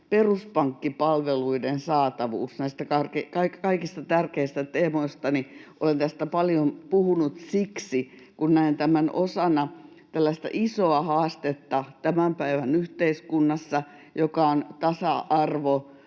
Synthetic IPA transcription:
peruspɑŋkːipɑlʋeluidensɑːt̪ɑʋṵːsnæist̪ækɑrkekɑikkɑikist̪ɑt̪ærkeist̪æt̪eːmoist̪ɑniʔolent̪æst̪æpɑljompuhunut̪siksi | kunnæint̪æmænʔosɑnɑ | t̪ælːæst̪æ̰ʔisoɑhɑːst̪et̪ːɑt̪æmæmpæiʋænyht̪eiskunːɑsːɑ | jokɑont̪ɑsɑʔɑrʋo

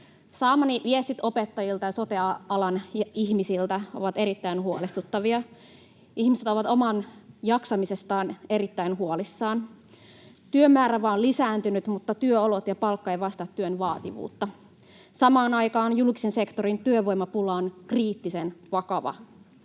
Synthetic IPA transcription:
sɑːmɑniʋiest̪it̪o̞pet̪ːɑjilt̪ɑjɑso̞t̪eɑɑlɑniçmisilt̪æo̞̰ʋɑt̪e̞ɾit̪ːæinhuolest̪ut̪ːɑʋiɑ | ʔihmiset̪o̞ʋɑt̪o̞mɑnjɑksɑmise̞st̪ɑːne̞ɾit̪ːæinɦuolisːɑːn | t̪yømːæːɾæʋɑːonlisæːnt̪ynyt̪mut̪ːɑt̪yøolot̪jɑpɑlkːɑejʋɑst̪ɑt̪ːyønʋɑːt̪iʋṵːt̪ːɑ | sɑmɑːnɑjkɑːnjulkisense̞kt̪oɾint̪yøʋo̞jmɑpulɑonkriːt̪ːisenʋɑkɑʋɑ̰

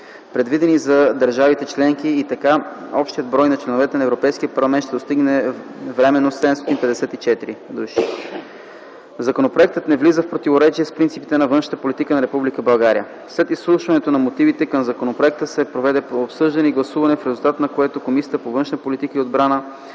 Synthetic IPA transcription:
pɾɛd̪vid̪ɛnizɐd̪əɐɾʒavit̪ɛt͡ʃlɛŋkiːt̪ɐkaɔpʃt̪ijəd̪̚bɾɔjnɐt͡ʃlɛnovɛt̪ɛnɐɛvɾopɛjskijəpɐɾlˠɐmɛnt̪ʃt̪ɛd̪ost̪iɡnɛvɾɛmɛnːossɛd̪ɛmst̪ɔt̪inpɛd̪ɛsɛt̪it͡ʃɛt̪iɾid̪uʃi | zɐkonopɾoɛk̚t̪ət̪nɛvlizəfpɾot̪ivoɾɛt͡ʃiɛspɾint̪sipi̥t̪ɛnɐvɤnʃə̥t̪əpolit̪ikənɐɾɛpublikəbɐlˠɡaɾijə | slɛt̪isːlˠuʃvɐnɛt̪onɐmot̪ivit̪ɛkɐmzɐkonopɾoɛk̚t̪əsɛpɾovɛd̪ɛopsɤʒd̪ɐnɛiɡlˠɐsuvɐnɛfɾɛzulˠt̪at̪nɐkoɛt̪okomisʲjət̪əpovɤnʃnpolit̪ikəiod̪bɾanə

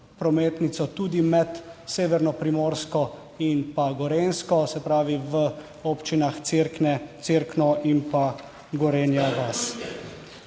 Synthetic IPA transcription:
pɾɔmeːt̪nit̪sɔt̪uːd̪imɛt̪seːʋɛɾnɔpɾimoːɾskɔ | inpaɡɔɾeːnskɔsɛpɾaːʋiʋə | oːpt͡ʃinaxɾnɛt̪seɾknɔʔinpa | ɡɔɾeːnjaɡas

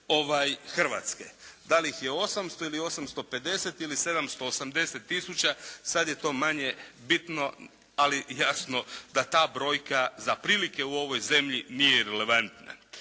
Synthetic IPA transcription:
o̞ʋajxr̩ʋa̰ːt̪ske̞̰d̪alixjeo̞samst̪o̞ilio̞samst̪o̞pe̞d̪e̞set̪ilise̞d̪amst̪o̞ːsamd̪e̞set̪ːisut͡ɕasad̪je̞t̪o̞ːmaɲe̞bit̪no̞ | alijasno̞d̪at̪aːbɾo̞ːjkazapɾiːlike̞uo̞ʋo̞jze̞mʎinijeɾele̞ʋant̪na̰

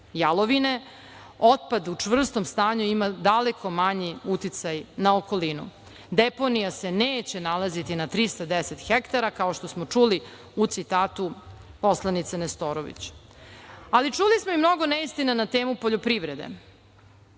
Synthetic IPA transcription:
jalˠoʋine̞ | ot̪̚pad̪ut͡ʂvr̩st̪omst̪aːɲuimad̪ale̞kʰo̞maɲiut̪it̪sajnaoko̞linṵ | d̪eponijase̞neːt͡ɕe̞nalazit̪inat̪ɾist̪ad̪eset̪xekt̪aɾakao̞ʃt̪o̞smot͡ʂuli | ut̪sit̪aːt̪u | po̞slˠanit̪sanest̪oɾoʋḭt͡ɕ | alit͡ʂulismoimno̞ɡo̞neist̪inanat̪eːmupo̞ʎopɾiʋɾe̞d̪ḛ

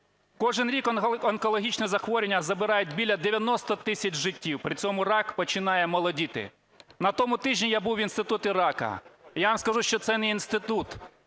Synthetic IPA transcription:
kɔʒɪnɾʲikɐnkɔlˠɔɦʲit͡ʃnɛzɐxʋɔɾʲenʲːɐzɐbɪɾɑjʊt̚ʲbʲilʲːɐd̪eʋʲjɐnɔst̪ɔt̪ɪsʲɐt͡ʃʒɪtʲːiwpɾɪt͡sʲɔmʊrɑkpɔt͡ʃɪnɑjɛmɔlˠɔdʲit̪ɪ̰ | nɐt̪ɔmʊt̪ɪʒʲnʲijabuwinst̪ɪt̪ut̪ɪɾɑkɐ̰jaʋamskɐʒuʃt͡ʃɔt̪sɛnɛinst̪ɪt̪ut̪

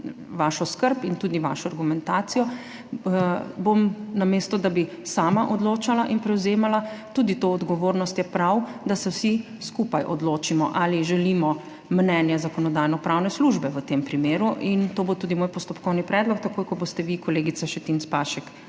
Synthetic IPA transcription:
ʋaʃɔskəɾpint̪uːd̪iʋa̰ːʃɔaɾɡumɛnt̪aːt̪sijɔ | bomnameːst̪ɔd̪abi | saːmaʔɔd̪loːt͡ʃalaʔinpɾɛwzeːmalat̪ud̪it̪oːd̪ɡɔʋoːɾnɔst̪jɛpɾawd̪asɛwsi | skupajʔɔ̰d̪loːt͡ʃimɔʔaliʒɛlimɔ | mnɛːnjɛzakɔnɔd̪aːjnɔpɾawnɛsluʒbɛʋət̪eːmpɾimeːɾuʔint̪oːbot̪uːd̪imoːjpɔst̪ɔpkɔwnipɾɛd̪lɔkt̪akojkɔbost̪ɛʋikɔleːɡit̪saʃt̪ɛt̪inspaʃɛk

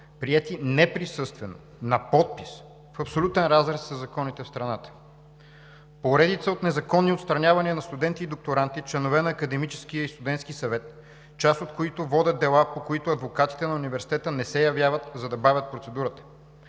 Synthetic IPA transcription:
pɾiɛt̪inɛpɾisɤst̪vɛno̰ | nɐpɔt̪̚pis | fɐpsolʲut̪ɛnɾazɾɛsːɐzɐkɔnit̪ɛfst̪ɾɐnat̪ə̥ | poɾɛd̪it̪səot̪nɛzɐkɔnːiot̪st̪ɾɐnʲavɐniənɐst̪ud̪ɛnt̪iːd̪ok̚t̪oɾant̪it͡ʃlɛnovɛnɐːkɐd̪ɛmit͡ʃɛ̥sk̟ijəist̪ud̪ɛnt̪skisɐvɛt̪ | t͡ʃast̪ot̪̚koit̪ovɔd̪ʲəd̪̚d̪ɛlˠapokoit̪ʊɐd̪vokat̪i̥t̪ɛnɐunivɛɾsi̥t̪ɛt̪ənɛsɛjɐvʲjavət̪zɐd̪ɐbavʲət̪̚pɾot̪sɛd̪uɾət̪ə̥

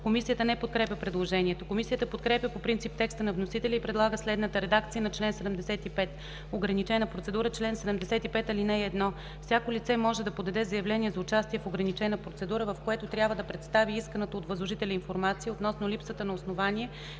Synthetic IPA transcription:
komisijət̪ənɛpot̪̚kɾɛpʲjəpɾɛd̪lˠoʒɛniɛt̪okomisijət̪əpot̪kɾɛpʲjəpopɾint̪sip̚t̪ɛkst̪ənɐvnosit̪ɛlʲɛipɾɛd̪lˠaɡəslɛd̪nət̪əɾɛd̪akt̪sijənɐt͡ʃlɛnsɛd̪ɛmd̪ɛsɛt̪ipɛt̪ | oɡɾɐnit͡ʃɛnəpɾot̪ɛd̪uɾət͡ʃlɛnsɛd̪ɛmd̪ɛsɛt̪ipɛt̪ɐlinɛɛd̪nɔ | fsʲjakolʲit̪sɛmɔʒɛd̪ɐpod̪ɐd̪ɛzɐjɐvlɛniɛzɐʊt͡ʃast̪iɛfoɡɾɐnit͡ʃɛnəpɾot̪sɛd̪uɾəvɐfkoɛt̪ot̪ɾʲjabvəd̪ɐpɾɛt̪st̪aviiskənət̪oːt̪vəzlˠoʒit̪ɛlʲəinfoɾmat̪sijəot̪nɔsnʊlʲipsət̪ənɐosnovaniɛ

